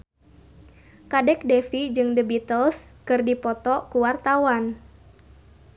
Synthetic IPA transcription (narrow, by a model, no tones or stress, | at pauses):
kadɛk̚dɛfid͡ʒɨŋdəbit̪əlskɨrdipɔt̪ɔkuwart̪awan